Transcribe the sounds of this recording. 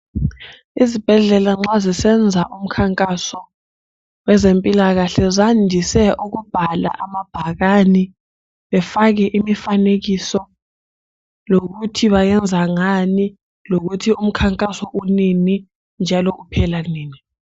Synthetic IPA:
izib̥ʱɛɮɛlaŋ͡ǁazisɛnd͡zʱaʔum̩kʰaŋkʼasɔ | wɛzempʼilaɣ̬aɬɛzandʱisɛʔuk̬ub̥ʱala̰ʔamab̥ʱak̬ani | ɓɛfak̬ɛʔimifanek̬isɔ | lok̬utʰiβajɛnd͡zʱaŋani | lok̬utʰium̩kʰaŋkʼasɔʔunini | nd͡ʒʱalɔʔupʰɛlaniːni

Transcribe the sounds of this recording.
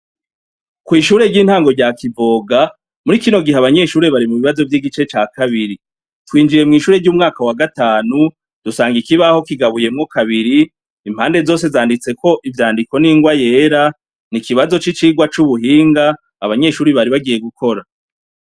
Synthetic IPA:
kwiːʃuːɾe̞ɾɟiːn̥haːŋɡo̞ɾɟakivo̞ːɡa | muɾikino̞ɡiɦeaβaɲe̞ːʃuːɾe̞βaɾimuβiβazo̞vjiːɡit͡ʃe̞t͡ʃaːkʰaβiɾi | twiːnd͡ʒije̞mŋiːʃuːɾe̞ɾɟuːmŋaːkawaɡataːnu | d̥usaːŋɡikiβaho̞kiɡaβuje̞mŋokaβiɾiː | m̥haːnde̞zo̞ːse̞zaːndit͡se̞ko̞ʔivjaːndiko̞niːŋɡwaje̞ːɾa | nikiβazo̞t͡ʃit͡ʃiɡwat͡ʃuβuɦiːŋɡaː | βaɲe̞ːʃuːɾiβaɾiβaɡije̞ɡukʰo̞ɾa

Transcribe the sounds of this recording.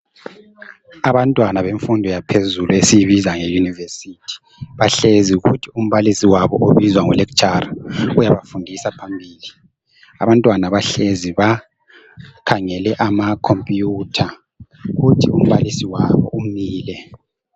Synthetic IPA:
aβantʼwanaβeɱfundʱɔjapʰezuluesijiβizaŋejunivesitʰi̥ | βaɬeziuɣṵtʰium̩βalisiwaβɔʔoβizwaŋulɛkt͡ʃʼaraɣujaβafundʱisapʰambʱiːli | a̰βantʼwanaβaɬeziβa | kʰaŋɛlɛʔamakʰompʼjutʰa | ɣutʰium̩βalisiwaβɔ̰ʔumiːlɛ

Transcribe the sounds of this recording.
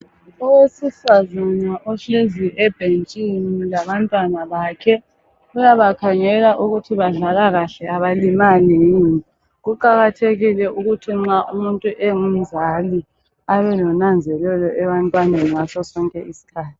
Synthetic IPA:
ɔwesifazanaʔɔɬeziʔɛb̥ʱent͡ʃʼiniilaβantʼwanaβaːkʰɛ | ujaβakʰaŋɛlaʔuɣutʰiβaɮalaɣaɬɛaβalimaleni | ɣuǃaɣatʰeɣilɛʔuɣutʰiŋ͡ǁaʔumuntʼuʔɛŋum̩zali | aβɛlɔnand͡zʱɛlɛlɔʔɛβantʼwaneniŋasɔsɔŋkʼɛ̰ʔisi̥kʰaːtʰi̥

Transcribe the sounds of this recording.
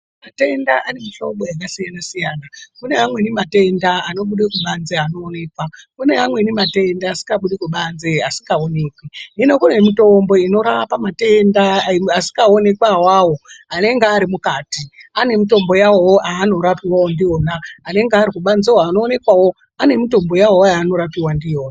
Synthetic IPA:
mate̞ndaʔane̞miʃoɓojak̬asijanasijaːnakune̞amwe̞nimate̞ndaano̞ɓuɗekuɓanzeano̞ːne̞ːkwakune̞amwe̞nimate̞ndaːsi̥ŋɡaɓuɗikuɓanzeasiŋɡaone̞kwinino̞kune̞mito̞mbo̞ino̞ɾaapamate̞ndaasi̥kɡaone̞kwawaːwoane̞ŋɡeaɾimukaːtiane̞mito̞mbo̞jawowoʔaːno̞ɾapiwawondio̞ːnaːne̞ŋɡaɾikuɓanzewaːno̞ːne̞kwawo̞ | ane̞mito̞mbo̞jawojaːno̞ɾapiwandijo̞ːna

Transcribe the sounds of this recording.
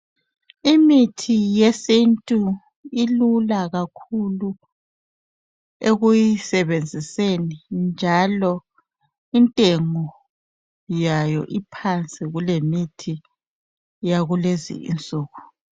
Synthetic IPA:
imitʰijesintʼu | ilulaɣakʰulu | eɣujisɛβend͡zʱisenind͡ʒʱalɔ | intʼeŋɔ | jajɔ̰ʔipʰant͡sʼiɣulemitʰi | jaɣulezḭḭnt͡sʼuːɣu

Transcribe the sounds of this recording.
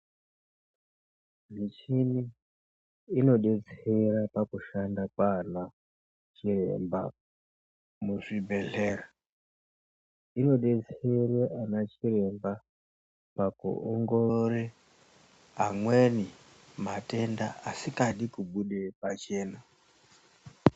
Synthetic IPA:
nit͡ʃiniː | no̞ɗet͡seɾapakuʃandakwana | t͡ʃire̞̰mba | muʐibʱe̞ɮeːra | ino̞ɗet͡sereʔanat͡ʃire̞mba | pakṵoŋɡoɾe | aŋweni | mate̞nda̰asikaɗikuɓuɗepat͡ʃe̞ːna

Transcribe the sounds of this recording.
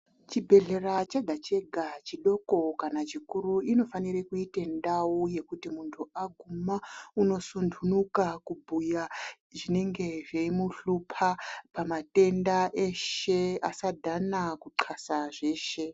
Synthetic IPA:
t͡ʃibʱe̞ɮe̞rat͡ʃeɡʱat͡ʃe̞ɡʱat͡ʃiɗo̞ko̞kanat͡ʃikuɾuino̞fanirekuitendawuje̞kutimuntʰuaɡʱumauno̞sundʰʱunukakubʱuja | ʐine̞ŋɡe̞ʐeimuɬupʰapamate̞ndaʔe̞ʃeasadʱanakuǃʰasaʐe̞ːʃe̞

